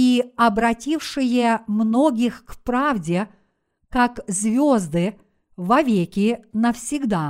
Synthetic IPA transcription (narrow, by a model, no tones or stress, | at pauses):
iɐbɾɐtʲifʂɨjəmnoɡʲɪxkpɾavdʲɪ | kakzvʲozd̪ɨ | vɐvʲekʲɪnəfsʲɪɡd̪a